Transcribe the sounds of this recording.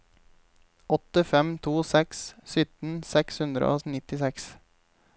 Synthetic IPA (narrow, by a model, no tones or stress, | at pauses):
ɔt̪əfɛmt̪ʰuːsɛkssʏt̪n̩sɛkshʉnd̪ɾə̰ʔo̰ːnɪt̪ɪsɛks